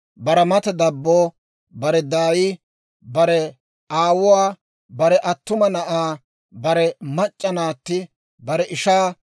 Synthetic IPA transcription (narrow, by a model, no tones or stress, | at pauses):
bɐɾɐmɐt̪ɛd̪ɐbːoː | bɐɾɛd̪aːjiː | bɐɾɛ | aːwʊwaː | bɐɾɛʔɐt̪ːʊmɐnɐʔaː | bɐɾɛmɐt͡ʃʼːɐnaːt̪ːɪ | bɐɾɛʔɪʃaː